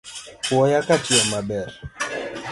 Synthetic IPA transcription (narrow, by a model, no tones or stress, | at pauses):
wɔjakatiɛmabɛɾ